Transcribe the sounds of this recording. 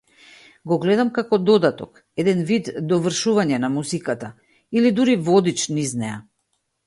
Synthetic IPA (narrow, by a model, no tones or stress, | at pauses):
ɡɔɡlɛd̪amkakɔd̪ɔd̪at̪ɔk | ɛd̪ɛnvid̪ːɔvr̩ʃuvaɲɛnamuzikat̪a | ilid̪uɾivɔd̪it͡ʃniznɛja̰